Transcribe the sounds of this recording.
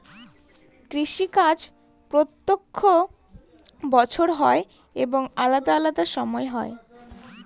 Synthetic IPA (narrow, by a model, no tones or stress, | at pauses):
kɾiʃikad͡ʑ | pɾot̪ːokʰːo | bɔt͡ɕʰoɾɦɔe | eboŋalad̪aalad̪aʃɔmɔeɦɔe